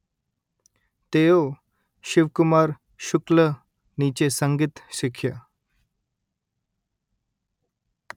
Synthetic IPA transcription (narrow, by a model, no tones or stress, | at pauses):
t̪ejo | ɕiʋkumaɾ | ɕuklə | nit͡ɕesəŋɡit̪ɕikʰja